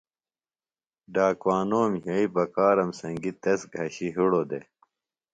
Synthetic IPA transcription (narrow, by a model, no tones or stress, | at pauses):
ɖaːkwaːnoːmɦɐipɐkaːɾɐmsɐŋɡit̪ɐsɡʱɐɕiɦiɽoːd̪ḛ